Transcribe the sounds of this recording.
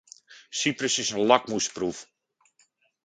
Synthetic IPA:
siprəsɪsənlɑk̚muspruf

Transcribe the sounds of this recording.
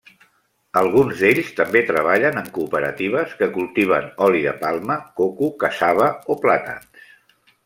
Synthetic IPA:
əlˠɣunzd̪eʎst̪əmbet̪ɾəβaʎənəŋkuːpəɾə̰t̪iβ̞əskəkulˠt̪iβ̞ənɔliðə̰palˠməkokukəsaβəoplat̪a̰ns

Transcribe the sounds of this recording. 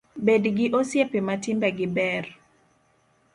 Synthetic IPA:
bedɡɪʔosjepematɪmbɛɡɪbɛr

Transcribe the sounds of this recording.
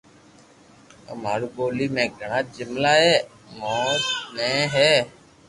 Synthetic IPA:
ə̰maːɾuːɠoːliːmẽːɡʱəɳãːd͡ʒɪmlaːɦeː | moːsmẽːɦeː

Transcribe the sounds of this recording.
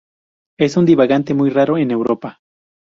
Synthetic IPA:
esund̪iβaɣant̪e̞mujraɾoene̞wɾopa

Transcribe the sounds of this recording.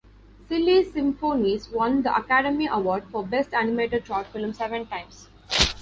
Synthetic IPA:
sɪlisɪ̃mfoːniːzʋʌ̃nd̪əʔɐ̰kæɖəmiʔəʋɔːɾɖfɔbesʈænɪmeːʈəɖ̚ʃɔːʈfɪlmsɛʋə̃nʈãɪ̃ms

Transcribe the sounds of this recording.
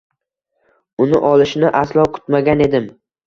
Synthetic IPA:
ʊnɪʔɒlˠɪʃnɪʔaslˠɒkʰʊ̥t̪maɡʲane̞d̪ɪm

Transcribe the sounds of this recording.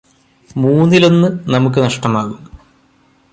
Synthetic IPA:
muːnːilo̞nːɨnɐmuk̬ːɨnɐʂʈɐmaːɣum

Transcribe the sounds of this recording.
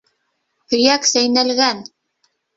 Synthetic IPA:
hɵ̆jæksæjnælɡæn

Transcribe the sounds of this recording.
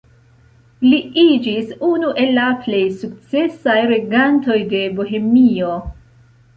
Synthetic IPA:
liid͡ʒisunuʔe̞lːaple̞jsukt͡se̞sajɾe̞ɡanto̞jde̞boɦe̞mio̞

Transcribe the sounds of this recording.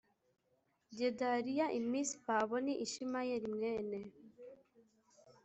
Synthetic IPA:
ɟedaɾijaʔimisi̥paβoniʔiʃimajeɾimweːne

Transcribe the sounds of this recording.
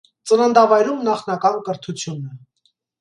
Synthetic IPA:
t͡sənənd̪ɑvɑjɾumnɑχnɑkɑnkəɾt̪ʰut͡sʰjunə

